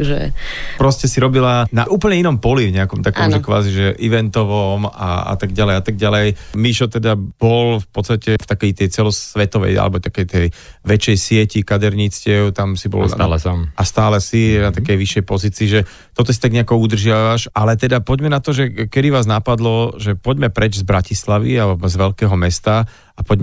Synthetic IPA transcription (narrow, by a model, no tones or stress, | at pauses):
ʒɛ̰pɾɔscɛsiɾɔbilanaʔuːpəɲɛinɔmpɔlivɲɛakɔmt̪akɔmʒɛkʋa̰ːziʒɛʔiʋɛnt̪ɔʋɔma̰a̰t̪aɡ̚ɟalɛjat̪aɡ̚ɟalɛjmiʃɔt̪ɛd̪ab̥ɔlfpɔt̪st̪acɛft̪akɛjt̪ɛjt͡sɛlɔsʋɛt̪ɔʋɛ̰ja̰lɛ̰bɔt̪akɛjt̪ɛj | ʋɛt͡ʃːɛjsɪɛcikad̪ɛɾɲit͡scɪɛʊt̪amsibɔ̰lalsamast̪aːlɛsinat̪akɛjʋiʃːɛjpɔziːt͡siːʒɛ | t̪ɔt̪ɔsit̪aɡɲɛakɔud̪r̩ʒɪaʋaʃalɛt̪ɛd̪apɔɟmɛnat̪ɔʒɛkɛd̪iʋaːznapad̪lɔʒɛpɔɟmɛpɾɛd͡ʒzbɾacislaʋḭazʋɛʎkɛːɦɔmɛst̪a | apɔɟm